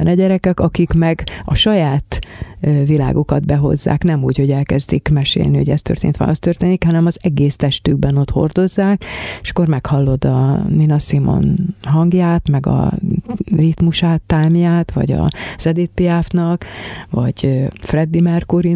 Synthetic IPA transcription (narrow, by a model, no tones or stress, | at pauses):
ɛnɛɟɛɾɛkɛkɒkikmɛɡɒʃɒjaːt̪ | vila̰ːɡokɒd̪bɛɦo̞̰zːa̰ːknɛmuːcho̞ɟɛlkɛzd̪ikmɛʃḛːlniho̞ɟɛ̰st̪ø̰rt̪ḛnt̪ʋɛ̰lʔɒst̪ørt̪eːnikhɒnɛmɒzɛɡeːst̪ɛʃt̪yɡ̚bɛno̞t̪ho̞̰rd̪o̞zːaːkeʃkːormɛkhɒlːo̞d̪ɒninɒsimo̞̰nɦɒŋɡjaːt̪mɛɡɒ̰ | rit̪muʃaːt̪ːaːmjaːt̪ʋɒ̰ɟɒ̰z̥ɛd̪eːt̪piɛfnɒkvɒɟ̥frɛd̪ːimɛrkoɾi